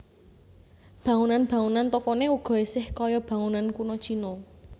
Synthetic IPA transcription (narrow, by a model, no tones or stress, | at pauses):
b̥ä̤ŋunanb̥ä̤ŋunant̪okɔneuɡ̥ɔ̤esɪhkɔjɔb̥ä̤ŋunankunɔt͡ʃinɔ